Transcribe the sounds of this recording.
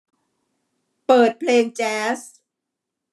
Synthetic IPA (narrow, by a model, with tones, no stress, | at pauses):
pɤː˨˩t̪̚pʰleː˧ŋt͡ɕɛː˦˥s